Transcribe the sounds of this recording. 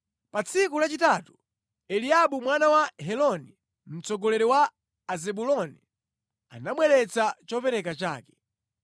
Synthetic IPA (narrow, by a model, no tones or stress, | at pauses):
pat͡sʰikulat͡ʃitaːtu | ɛliaɓumwanawaɦɛlɔni | m̩t͡sɔɡɔlɛɾɛwaː | zɛɓulɔni | anaɓwɛlɛt͡sʰat͡ʃɔpɛɾɛkat͡ʃa̰ːkɛ̥